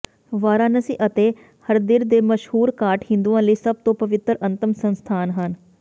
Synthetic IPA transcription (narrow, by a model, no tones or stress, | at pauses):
ʋaːɾãːnəsiːʔət̪eː | həɾd̪ɪɾd̪eːməʃhuːɾkaːʈhɪ̃nd̪uãːləiːsəb̚t̪õːpəʋɪt̪ɾə̃nt̪əmsənst̪ʰaːnɦən